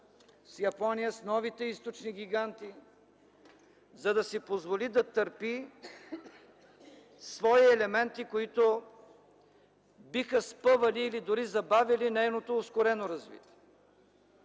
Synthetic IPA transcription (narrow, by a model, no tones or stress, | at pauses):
sjɐpɔnijəsnɔvit̪ɛist̪ot͡ʃniɡʲiɡant̪i | zɐd̪ɐsipozvolid̪ɐt̪əɾpi | svɔiɛlɛmɛnt̪ikoit̪o | bixəspɤvɐliːlid̪ʊɾizɐbavʲilinɛjnot̪oːskoɾɛnoɾɐzvḭt̪ʲiɛ